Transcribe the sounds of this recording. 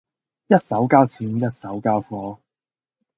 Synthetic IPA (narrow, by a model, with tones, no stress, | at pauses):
jɐ˥t̚sɐ˨˥wkaː˥wt͡sʰiː˨˥mjɐ˥t̚sɐ˨˥wkaː˥wfɔː˧